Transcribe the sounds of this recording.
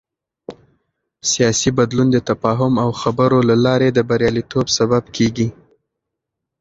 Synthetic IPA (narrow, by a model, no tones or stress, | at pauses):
sijɑsibad̪lund̪ət̪afɑɦʊmawxabəɾolalɑɾed̪əbaɾjɑlit̪obsababkʰeɡi